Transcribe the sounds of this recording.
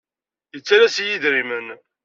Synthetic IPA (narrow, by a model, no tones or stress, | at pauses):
jət͡sːaɾæsjiðɾimən